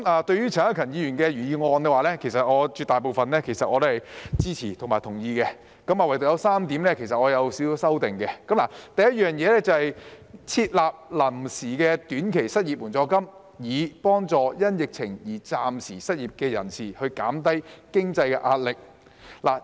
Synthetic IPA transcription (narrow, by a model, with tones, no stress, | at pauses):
aː˨t̪ɵ˧ɥyː˥t͡sʰɐ˨˩ŋhaː˥kʰɐ˨˩njiː˨˧jyː˨˩nkɛː˧ɥyː˨˩jiː˨˧ŋɔː˧nkɛ˧waː˨˧lɛː˥kʰe˨˩js̬ɐ˨t̚ŋɔː˨˧t͡ʃyː˧t̪ːaː˨jp̬o˨˧wfɐ˨nlɛː˥kʰe˨˩jsɐ˨t̚ʔɔː˨˧o˥hɐ˨jt͡siː˥t͡sʰiː˨˩t̪ʰʊ˨˩maː˨˩jt̪ʰʊ˨˩ŋjiː˧kɛ˧ | kɐ˨˥maː˨wɐ˨jt̪o˨wjɐ˧wsaː˥mt̪iː˨˥mnlɛː˥kʰe˨˩js̬ɐ˨t̚ŋɔː˨˧jɐ˨˧wsi˨˧˥wswsɐ˥wt̪ɪ˨ŋkɛ˧kɐ˨˥mla˨˩t̪ɐ˨jɐ˥t̚jœː˨ŋjɛː˨˧lɛː˥t͡sɐ˨whɐ˨j | t͡sʰiː˧t̚laː˨p̚lɐ˨˩msiː˨˩kɛː˧t̪yː˨˥nkʰe˨˩jsɐ˥t̚ji˨p̚wuː˨˩nt͡sɔː˧kɐ˥m | jiː˨˧pɔː˥ŋt͡sɔː˨˧jɐ˥njɪ˨k̚t͡sʰɪ˨˩ŋjiː˨˩t͡saː˨msiː˨˩sɐ˥t̚jiː˨p̚kɛː˧jɐ̰˨˩nsiː˨˩hɵ˧ɥkaː˨˥mt̪ɐ˥jkɪ˥ŋt͡sɐ˧jkɛ˧ʔaː˧t̚lɪ˨k̚ | la̰˨˩